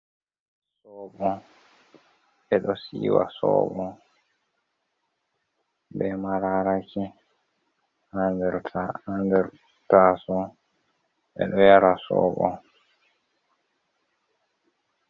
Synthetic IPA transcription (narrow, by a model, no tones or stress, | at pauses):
sɔːɓɔ | ɓɛɗɔsḭːwa̰sɔ̰ːɓɔ | bɛmaɾaɾaki | handɛɾʰhandɛɾ | tasɔ | ɓɛ̰ɗɔjaɾasɔ̰ːɓɔ̰